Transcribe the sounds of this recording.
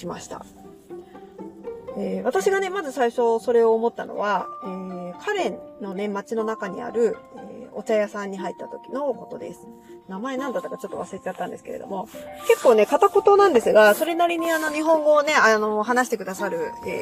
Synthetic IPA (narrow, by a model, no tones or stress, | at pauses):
ɕimaɕi̥t̪a̰ | eːβat̪aɕiɡane̞mazɨsaiɕo̞so̞ɾe̞o̞ːmo̞t̪ːano̞̰βaeːkʰaɾẽ̞nnːo̞ne̞mat͡ɕino̞nakaɲ̟ḭa̰ɾɯ̟ḛːo̞t͡ɕajasãɲ̟ːiɦait̪ːat̪o̞kʲi̥no̞ko̞t̪o̞d̪e̞̰sɨ̥ | namae̞nãnd̪at̪ːakat͡ɕo̞t̪ːo̞βasɨɾet̪et͡ɕat̪ːãnd̪e̞sɨ̥ke̞ɾe̞̰d̪o̞̰mo̞ke̞kːo̞ːne̞kat̪ako̞t̪o̞nãnd̪e̞sɨɡaso̞ɾe̞naɾʲiɲ̟iano̞ɲ̟iɦõ̞ŋɡo̞ːne̞ano̞ɦanaɕ̬i̥t̪e̞kɯ̟d̪asaɾɯ̟ḛː